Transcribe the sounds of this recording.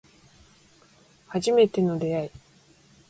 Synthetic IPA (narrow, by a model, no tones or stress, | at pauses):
haʑime̞t̪e̞no̞d̪e̞ai